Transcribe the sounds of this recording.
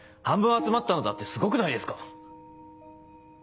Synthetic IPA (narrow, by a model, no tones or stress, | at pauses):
hãmbɯ̃ɰ̃at͡sɨmat̪ːano̞d̪at̪ːe̞sɨɡo̞kɯ̟naid̪e̞sɨ̥ka